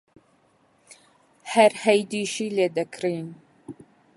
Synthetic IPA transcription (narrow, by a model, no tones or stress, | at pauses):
hɛɾhɛjd̪iːʃiːleːd̪ɛkʰɾiːn